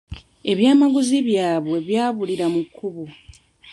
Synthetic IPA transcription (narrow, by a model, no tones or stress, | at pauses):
e̞βjaːmaɡuziβjaːβwe̞βjaːβuliɾamukʰːuβu